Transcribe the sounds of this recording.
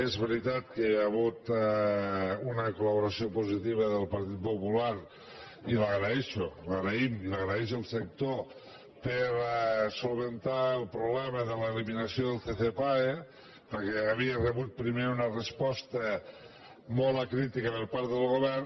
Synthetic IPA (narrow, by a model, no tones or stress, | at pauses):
ezβeɾit̪at̪̚keaɣut̪ | unəkolaβoɾasiopozit̪iβ̞əðəlˠpaɾt̪it̪̚populaɾ | ilaɣɾaeʃolaɣɾeimilaɣɾaɛʃ̬olˠsək̚t̪o | pəɾsolˠβent̪aelˠpɾoβlɛməðələeliminɐsioðəlˠθeθepae | pəɾkeaβ̞iərəβut̪̚pɾimeɾunərəspɔst̪ə | molakɾit̪ikəpəɾpaɾt̪ðəlˠɣoβɛr